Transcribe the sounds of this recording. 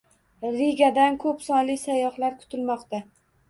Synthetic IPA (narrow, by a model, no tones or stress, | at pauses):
ɾeɡʲad̪ankʰɵpsɒnlɪsajɒχlaɾkʰʊ̥t̪ʰɪlmɒqt̪a